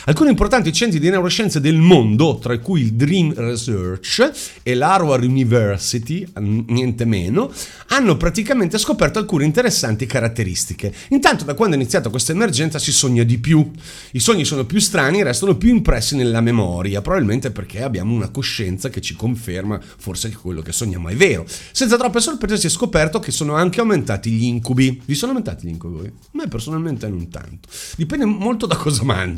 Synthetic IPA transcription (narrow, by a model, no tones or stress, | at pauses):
alkuːnimport̪ant̪it͡ʃɛnt̪ɾid̪inɛwɾoʃɛnt̪sed̪elmond̪ot̪ɾaikujild̪ɾimresørt͡ʃ | elaɾoarunivɛrsit̪injɛnt̪emḛːno | anːopɾat̪ikament̪eskopɛrt̪oalkuːneint̪eɾesːant̪ikaɾat̪ːeɾḭst̪ike | int̪ant̪od̪akwand̪oeinit̪sjaːt̪akwest̪aemerd͡ʒɛnt̪sasisoɲːad̪ipju | isoɲːisoːnopjust̪ɾaːniɾɛst̪anopjuimpɾɛsːinelːamemɔ̰ːɾjapɾobabilment̪eperkʰeabja̰ːmounakoʃːɛnt̪saket͡ʃikoɱferma | forsekkwelːokesːoɲːama̰jveːɾosɛnsat̪ɾɔpːesorpɾeːzasiɛskopɛrt̪okesoːnoaŋkeawment̪aːt̪iʎiiŋkubivisonoawment̪aːt̪iʎḭŋkubi | mɛpersonalment̪enont̪a̰nt̪o̥d̪ipɛnd̪emolt̪od̪akʰɔːzama̰nd͡ʒ